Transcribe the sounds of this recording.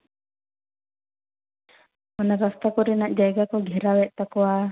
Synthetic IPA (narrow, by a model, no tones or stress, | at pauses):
ɔnaɾast̪akɔɾɛnaʔd͡ʒajɡakɔɡʱɛɾawɛt̪̚t̪akɔwa